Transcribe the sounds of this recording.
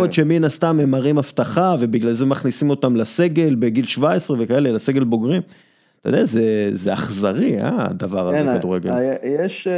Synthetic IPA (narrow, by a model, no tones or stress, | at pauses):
ot̪ʃeminast̪amemaʁimaft̪aχave̞biɡlalzemaχnisimo̞t̪amlase̞ɡe̞lbeɡilʃvaesʁevekae̞le̞lase̞ɡe̞lbo̞ɡʁim | t̪ajdeazezea̰χzaʁia̰d̪avaʁazekaduʁeɡejeʃ